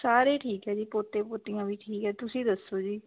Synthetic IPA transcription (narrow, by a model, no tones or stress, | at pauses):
saːɾeːʈʰiːkɦɛːd͡ʒiːpoːt̪eːpoːt̪ijãːʋiːʈʰiːkɦɛːt̪ʊsĩːd̪əsːoːd͡ʒiː